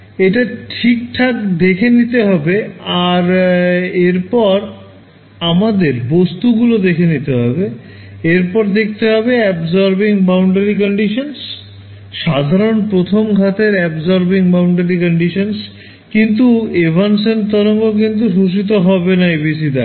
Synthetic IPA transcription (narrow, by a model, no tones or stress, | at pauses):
eʈaʈʰik̚ʈʰakd̪ekʰenit̪eɦɔbeaɾ | eɾpɔɾ | amad̪eɾbost̪uɡulod̪ekʰenit̪eɦɔ̰be | eɾpɔɾd̪ek̚ʰt̪eɦɔbeɛbzɔɾbiŋbawɳɖeɾikɔɳɖiʃons | ʃad̪ʱaɾonpɾot̪ʰomɡʱat̪eɾɛbzɔɾbiŋbawɳɖeɾikɔɳɖiʃons | kint̪uebʱansont̪ɔɾoŋɡok̬int̪̬uʃuʃ̬it̪̬oɦɔbenaebis̬id̪a̰